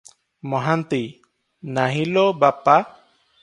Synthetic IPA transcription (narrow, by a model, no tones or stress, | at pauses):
mɔɦant̪i | naɦilɔbapa